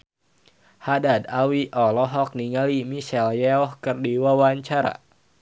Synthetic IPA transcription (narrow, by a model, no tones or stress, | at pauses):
hadadawiʔɔlɔɦɔk̚niŋalimisɛljɛɔhkɨrdiwawaɲt͡ʃaɾa̰